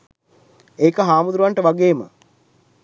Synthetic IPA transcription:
eːkəɦaːmud̪ɾuʋaɳʈəʋaɡeːmə̰

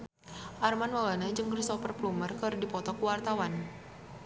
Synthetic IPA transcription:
ʔarmanwawanad͡ʒɨŋkɾisɔpərplumərkərdipɔt̪ɔkuwart̪awan

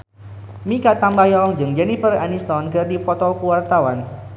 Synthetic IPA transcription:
mikat̪ambajɔŋd͡ʒɨŋd͡ʒɛnifəranist̪ɔnkɨrdifɔt̪ɔlkuwart̪awan

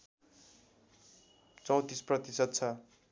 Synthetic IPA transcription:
t͡sʌw̃t̪isprʌt̪isʌt̪̚t͡sʰʌ

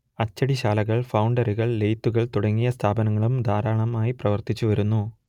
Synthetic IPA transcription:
ɐt͡ɕːɐɽiɕaːlɐɣɐɭfɐwɳɖɐɾuɣɐɭlejt̪ːuɣɐɭt̪uɽɐŋːijɐst̪ʰaːbɐnɐŋːɐɭumd̪ʱaːɾaːɳɐmaːjiprɐʋɐrt̪it͡ɕːuʋɐɾunːu

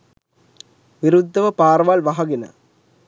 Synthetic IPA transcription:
ʋɪɾɯd̪ːɐʋɐpaːɾɐʋaːlʋɐɦɐɣɪnɐ̰

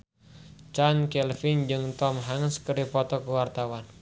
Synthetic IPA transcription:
t͡ʃankɛlfind͡ʒɨŋt̪ɔmɦaŋəskəɾipɔt̪ɔkəwart̪awan

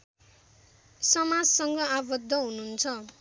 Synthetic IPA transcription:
sʌmad͡zsʌŋɡʌabʌd̪ʱːʌɦununt͡sʰʌ

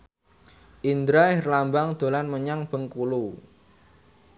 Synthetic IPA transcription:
ʔind̪ɾairlambaŋd̪̥o̤lanməɲaŋb̥ə̤ŋkulu

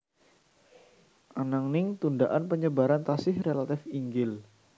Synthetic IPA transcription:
ʔanaŋnɪŋt̪undaʔanpəɲəbaɾant̪asɪhrelat̪ɪfiŋɡɪl

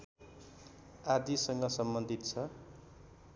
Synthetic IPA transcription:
ad̪isʌŋɡʌsʌmbʌnd̪ʱit̪t͡sʰʌ

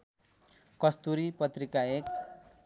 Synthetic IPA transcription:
kʌst̪uɾipʌt̪rikaek

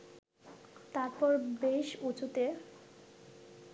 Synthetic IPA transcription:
t̪aɾpɔɾbeʃut͡ɕut̪e

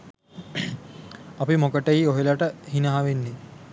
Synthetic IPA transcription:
apimokəʈɐioɦelɐʈəhinɐɦaʋenːe

